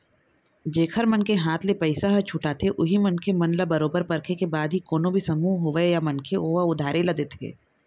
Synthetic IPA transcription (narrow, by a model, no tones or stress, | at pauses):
d͡ʒeːkʰəɾmɐnkeɦaːt̪ʰlepɛɪsaɦɐt͡ʃʰʊʈat̪ʰeʔʊɦimɐnkemɐnləbɐɾoːbəɾpɐɾkʰekebaːd̪ɦikoːnõbʱisɐmuːɦɦoʋejamɐnkʰeoːɐʊd̪ʱaːɾelɐd̪et̪ʰḛː